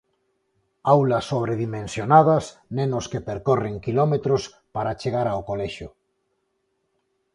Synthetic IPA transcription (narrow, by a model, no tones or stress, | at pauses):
awlɐsːoβ̞ɾeðimẽnsjonað̞ɐsnẽnʊskepeɾkoreŋkilɔmet̪ɾos | paɾat͡ʃeɣaɾawkolɛʃʊ